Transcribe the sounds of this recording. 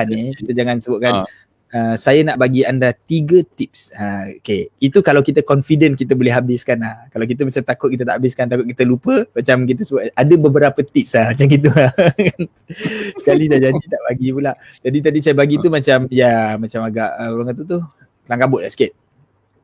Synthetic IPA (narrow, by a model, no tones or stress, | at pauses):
anikit̪əd͡ʒaŋansəbʊʔ̚kan | əsajənaʔbaɡiandat̪iɡət̪ip̚səokeit̪ukalawkit̪əkɔnfidənkit̪əbolɛɦabɪskanlahkalawk̬it̪̬əmat͡ʃamt̪akʊt̪̚kit̪ət̪a̰ʔabɪskant̪akʊt̪̚kit̪əlupəmat͡ʃamkit̪̬əsəbʊʔ̪adəbəbəɾapət̪ip̚sahmat͡ʃamkit̪̬ua | sə̥kalidaʔd͡ʒad͡ʒit̪aʔbaɡipulaʔ | d͡ʒadit̪̬adisajəbaɡit̪umat͡ʃamjamat͡ʃamaɡaʔəɾaŋkat̪̬ut̪̬u | laŋɡabʊʔ̪aʔsə̥kɪt̪̚